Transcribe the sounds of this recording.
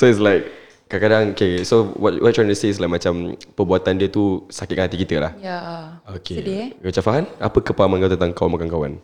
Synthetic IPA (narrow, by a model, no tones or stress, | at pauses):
soɪtslajk̚ː | akadaŋokesowɔtwɔ̰t̚tʰːɹajntuseɪs̬lajk̚mat͡ʃampəbuat̪andiət̪usakɪt̪̚kanhat̪ikit̪əla̰hjaokʰemat͡ʃafaɦanapəkəpaamankawt̪ənt̪aŋkawanmakanŋkawa̰n